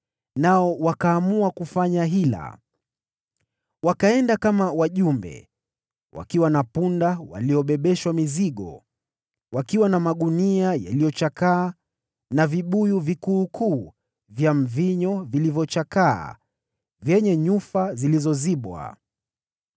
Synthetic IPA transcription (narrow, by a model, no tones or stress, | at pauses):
naɔwakaːmuakufaɲaɦila̰ | wakaɛndakamawaʄumbɛ̰ | wa̰kiwanapundawa̰liɔɓɛɓɛʃwamiziɠɔ̰ | wakiwanamaɠuniaja̰lijɔt͡ʃakaː | naviɓujuvikuːkʰuː | vjam̩viɲɔvilivjɔt͡ʃaka̰ː | vjɛɲɛɲufazilizɔziɓwa̰